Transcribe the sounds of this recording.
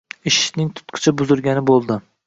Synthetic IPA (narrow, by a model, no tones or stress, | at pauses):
ɪʃɪ̥nɪŋt̪ʰʊ̥t̪qʰɨ̥t͡ʃʰabʊzʊɾɡʲanɪbolˠd̪ɪ